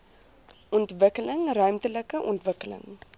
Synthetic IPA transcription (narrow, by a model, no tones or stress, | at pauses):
ʔɔntvəkələŋrœɥmtələkəʔɔntvəkələ̰ŋ